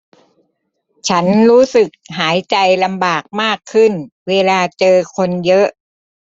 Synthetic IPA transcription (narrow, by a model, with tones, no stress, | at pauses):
t͡ɕʰa˦˥nɾuː˦˥sɯ˨˩k̚ɦaː˩˦jt͡ɕa˧jla˧mbaː˨˩k̚maː˥˩kʰːɯ˥˩nweː˧laː˧t͡ɕɤː˧kʰo˧njɤ˦˥ʔ